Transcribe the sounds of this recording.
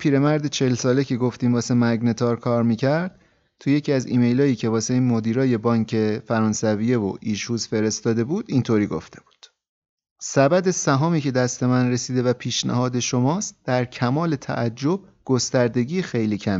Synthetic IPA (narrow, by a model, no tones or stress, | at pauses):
pʰiːɾe̞mæɾd̪et͡ʃʰe̞lsɒːle̞cʰe̞ɡo̞ft̪iːmvɒːsemæɡne̞t̪ʰɒːɾkʰɒːɾmiːcʰæɾd̪̥̚ | t̪ʰuje̞cʰiːæzḭːme̞jlɒːjiːcʰe̞vɒːseimod̪iːɾɒːje̞bɒːŋcʰe̞fæɾɒːnsæviːje̞vo̰ʔiːʃhuːzfe̞ɾest̪ɒːd̪e̞buːd̪̥int̪ʰoːɾiːɡo̰ft̪e̞b̥u̥ːd̪̥ | sæbæd̪e̞sæɦɒːmiːce̞d̪æst̪e̞mænɾe̞siːd̪e̞væpʰiːʃnæ̰ɦɒːd̪e̞ʃo̞mɒːst̪̚d̪̥æɾcʰæmɒːle̞t̪ʰæ̰ʔæd͡ʒːo̞b̥̚ɡ̥o̞st̪æɾd̪e̞ɟiːxe̞jliːcʰæm